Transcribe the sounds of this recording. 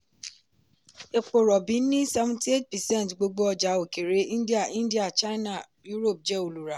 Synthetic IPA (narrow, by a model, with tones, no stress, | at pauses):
e˨k͡po˨ɾɔ˨bĩ˨˦nĩ˦sɛ˧vũ˨ti˦e˦tpɛ˨sɛ̃˦˨n˨tɡ͡bo˧ɡ͡bo˦ɔ˧d͡ʒa˨˦o˨ke˨ɾe˨˦ĩ˦ndi˦a˦˨ĩ˦ndi˦a˦˨t͡ʃa˦na˦˨ | ju˦ɾo˦˨p̚d͡ʒɛ˦o˨lu˨ɾa˨